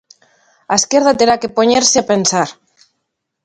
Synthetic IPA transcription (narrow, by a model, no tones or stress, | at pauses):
aeskje̞ɾðat̪e̞ɾake̞po̞ɲeɾseape̞nsaɾ